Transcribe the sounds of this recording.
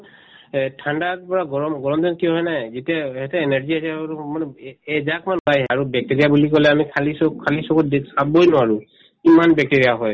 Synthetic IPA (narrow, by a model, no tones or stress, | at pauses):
tʰandapɔɹaɡɔɹmɡɔɹɔmzɔntijɔɦɔjnajzetijahɛtɛɛnɛɹziasɛmanɛɛzakmanbajaɹubɛk̚teɹijabulikɔlɛamikʰalisɔkʰalisɔkɔdsabojnʊwaɹʊ | kimanbɛk̚teɹijaɦɔj